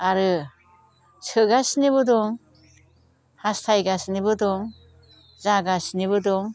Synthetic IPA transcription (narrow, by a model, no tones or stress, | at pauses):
aɾɯ | sɯɡasiniβɯdɔŋ | hastʰajɡasnibɯdɔŋ | zaɡasiniβɯdɔŋ